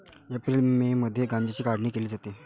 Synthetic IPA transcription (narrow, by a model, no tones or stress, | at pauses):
epɾiːlmiːməd̪ʱːjeɡãɲd͡ʑet͡ɕiːkaɽɳiːkeliːd͡zat̪e